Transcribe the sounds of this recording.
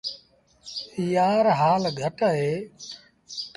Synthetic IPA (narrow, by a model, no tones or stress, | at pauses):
ijaːɾɦaːlɡʱəʈəɦeː